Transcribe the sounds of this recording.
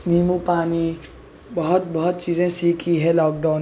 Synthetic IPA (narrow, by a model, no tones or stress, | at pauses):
miːmupaːni | bəɦʊt̪̚bɐɦʊt̪̚t͡ʃiːzẽsiːkʰiɦɛ̃lɔːk̚ɖaʊn